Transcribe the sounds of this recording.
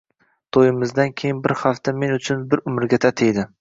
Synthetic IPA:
t̪ʰojɪmɪzd̪ankʲʰejɪnbɪɾhaft̪ame̞nʊt͡ʃʰʊnbɪɾʊmɪɾɡʲat̪ʰat̪ʰejd̪ɪ

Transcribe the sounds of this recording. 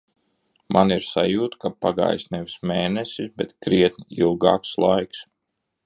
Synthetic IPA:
mʔaniɾsajuːt̪kapaɡa̰ːjsnɛvismeːnesisbɛt̪kɾiɛt̪nʲiilˠɡɑːkslˠajks

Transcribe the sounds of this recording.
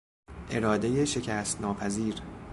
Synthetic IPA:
ʔe̞ɾɒːd̪e̞jeʃe̞cʰæːst̪nɒːpʰæziːɾ

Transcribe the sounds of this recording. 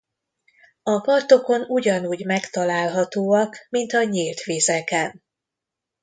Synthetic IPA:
ɒpɒrt̪o̞ko̞nuɟɒnuːɟmɛkt̪ɒlaːlɦɒt̪oːɒkmint̪ɒɲiːlt̪ʋeːzɛkɛn

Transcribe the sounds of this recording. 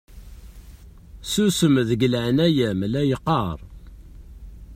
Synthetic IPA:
susəmðəɡəlʕənæjæmlæjəqːɑɾˤ

